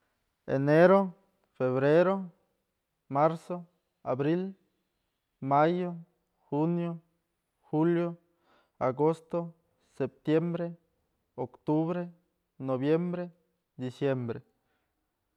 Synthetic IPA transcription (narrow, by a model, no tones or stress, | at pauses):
ḛneɾo | feβɾeɾo | maɾso | a̰bɾil | majo | xunjo | xuljo | a̰ɡost̪o | sep̚t̪jembɾe | okt̪uβɾe | noβjembɾe | d̪isjembɾe